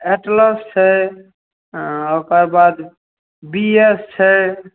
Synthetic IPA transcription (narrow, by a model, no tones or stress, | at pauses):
eʈləst͡ʃʰɛ | okəɾbad̪ | biest͡ʃʰɛ